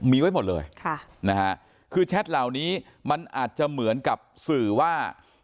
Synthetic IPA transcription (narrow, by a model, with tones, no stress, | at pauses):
miː˧wa˦˥˩jmo˨˩t̪̚lɤ̰ː˧jkʰa˥˩na˦˥kʰa˦˥ | kʰɯː˧t͡ɕʰɛ˦˥t̪̚la˨˩wniː˦˥ | ma˧nʔaː˨˩t̪̚t͡ɕa˨˩ʔmɯ˩˦ənka˨˩p̚sɯː˨˩waː˥˩